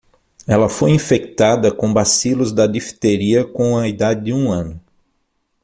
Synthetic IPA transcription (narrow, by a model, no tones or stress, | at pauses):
ɛlɐfojĩfek̚t̪ad̪ɐkõbasilʊzd̪ɐd̪ifi̥t̪eɾiɐkõw̃ɐid̪ad͡ʒɪd̪ɪũɐ̃nʊ